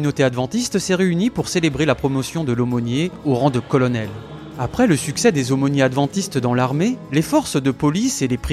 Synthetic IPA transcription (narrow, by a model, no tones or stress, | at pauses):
ynot̪ead̪vɑ̃t̪ist̪sɛʁeynipuʁselebʁelapχɔmɔsjɔ̃d̪əlomɔnjeoʁɑ̃d̪əkɔlɔnɛl | apχɛləsyksɛd̪ezomɔnjead̪vɑ̃t̪ist̪d̪ɑ̃laʁmelefɔʁsd̪əpɔliselepχ